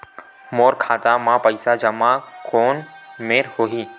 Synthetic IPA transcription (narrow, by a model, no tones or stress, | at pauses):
moːɾkʰaːt̪ãmãːpəɪsad͡ʒɐmakoːnmeːɾhoːɦiː